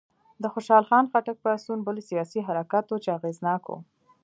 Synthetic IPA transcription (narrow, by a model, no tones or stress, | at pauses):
d̪əxoʃɑlxɑnxaʈak̚pasunbəlsijɑsiɦaɾakat̪ot͡ʃeaɣeznɑko̰